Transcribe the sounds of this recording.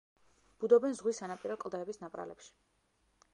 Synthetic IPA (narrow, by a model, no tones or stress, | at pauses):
b̥ud̪ɔbɛnzʁwisanapʼiɾɔkʼlˠd̪ɛbisnapʼɾa̰lɛ̰pʃi̥